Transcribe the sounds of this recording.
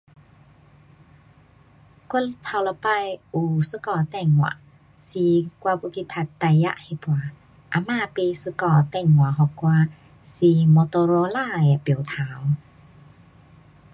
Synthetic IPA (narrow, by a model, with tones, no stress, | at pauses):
ku˥˨lpʰa˧wlɔ˧pa˧jʔu˨˩sɯ˧˦kɔː˧˨t̪ɛ˧˩˨ŋwa̰˧˨ʔ | si˧kwa˧pu˧kʰi˧t̪ʰa˧t̪ːa˧jja̰˧ʔhe˧˨pwa˧ | ʔa˧˨maː˧˨pe˧sɯ˧kɔː˧˩t̪ɛ˧˩˨ŋwa˨ɦɔ˧˨kwa˧ | si˧mo˧t̪o˧ɾo˧˦laː˥˧ja˨pi˨˩˨wt̪ʰaː˨˦w